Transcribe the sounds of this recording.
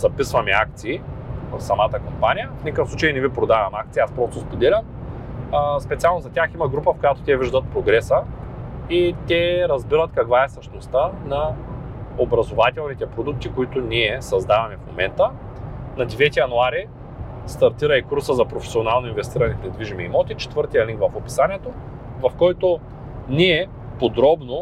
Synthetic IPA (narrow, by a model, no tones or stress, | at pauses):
zɐpisvɐmɛak̚t̪siːvɐfsɐmat̪əkompanʲijəfnʲikəfsˠut͡ʃejinɛvipɾod̪avɐmak̚t̪siaspɾɔst̪ospod̪ɛlʲɐm | spɛt̪sialˠnozɐt̪ʲaximɐɡɾupəfkojat̪o̥t̪ʲɛviʒd̪ət̪̚pɾoɡɾɛsə | it̪ʲɛɾɐzbiɾət̪kɐkvaɛsɐʃt̪ost̪anɐ | obɾɐzovat̪ɛlˠnit̪ɛpɾod̪uk̚t̪ikoit̪ʊniɛsɐzd̪avɐmɛfmo̰mɛ̰nt̪ə | nɐd̪ɛvɛt̪ʲijɐnuaɾi | st̪ɐɾt̪iɾɐikuɾsəzɐpɾofɛ̥sionalˠnoinvɛst̪iɾɐnɛpɾɛd̪viʒimiːmɔt̪it͡ʃɛ̥t̪vɤɾt̪ijɐliŋkvɐfopi̥saniɛt̪o | vɐfkɔjt̪o | niɛ | pod̪ɾɔbno